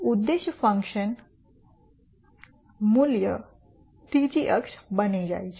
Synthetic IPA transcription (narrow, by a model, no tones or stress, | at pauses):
ud̪ːeɕəfə̃ŋkɕən | muljə̰ | t̪it͡ɕiʔəkʂbəned͡ʑa̰jt͡ɕ